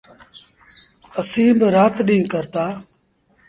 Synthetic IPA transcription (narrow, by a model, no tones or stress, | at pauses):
əsĩːbəɾaːt̪ɗĩːkəɾt̪aː